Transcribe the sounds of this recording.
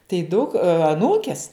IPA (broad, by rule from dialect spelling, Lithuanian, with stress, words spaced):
tɐɪ ˈdʊk ɐˈnuːkʲɛs